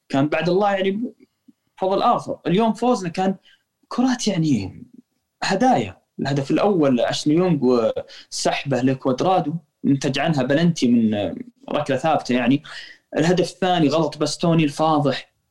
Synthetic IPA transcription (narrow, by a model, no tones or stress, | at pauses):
kaːnbaʕd̪ɑlˤːɑːjaʕni | fɑðˤːəlʔaːxɑ̰ɾˤɪljoːmfoːznakaːn | kʰʊɾˤɑːt̪jaʕni | had̪aːja̰ | ɪlhad̪afɪlʔawːalʕa̰ʃnjʊmɡwsaħbalakwʔad̪ɾˤɑːd̪u | jɪnt̪ad͡ʒʕanɦabalant̪imɪnɾˤɑ̰klaθaːbt̪ajaʕniʔɪlhad̪afɪθːaːniɣɑlɑt̪ˤbast̪oːnilfɑːðˤɨħ